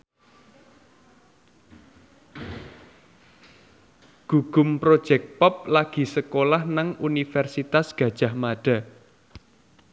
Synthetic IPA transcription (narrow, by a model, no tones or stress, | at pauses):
ɡ̥uɡ̥ʊmpɾod̥ʒ̥ɛk̚pɔp̚laɡ̥i̤səkolahnaŋunifɛrsit̪asɡ̥ä̤d̥ʒ̥a̤hmaɖ̥a̤